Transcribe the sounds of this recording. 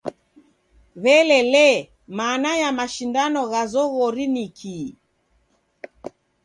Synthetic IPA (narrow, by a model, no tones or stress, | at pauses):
βɛlɛlɛ | manajamaʃindanɔɣazɔɣɔɾinikʰi